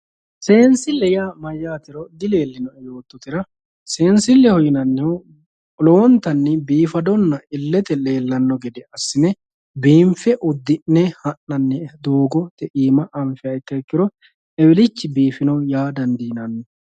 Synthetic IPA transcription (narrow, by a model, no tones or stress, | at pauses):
se̞ːnsɪlːɛjamɐjːaːt̪ɪɾɔd̪ɪle̞ːlːɪnɔɛjo̞ːt̪ːɔt̪ɪɾɐ | se̞ːnsɪlːɛhɔjɪnɐnːɛɔ | ɔlɔwɔnt̪ɐnːɛbiːfɐd̪ɔnːɐɪlːɛt̪ɛle̞ːlːɐnːɔɡɛd̪ɛɐsːɪnɛ | biːmfɛʔʊd̪ːɪʔnɛhɐnːɐnːɛd̪oːɡɔt̪ɛʔiːmɐʔɐɱfɪɐjt̪ːɐɛkːɪɾɔ | ɛwɪlɪt͡ʃːɪbiːfɪnɔjaːd̪ɐnd̪iːnɐnːɛ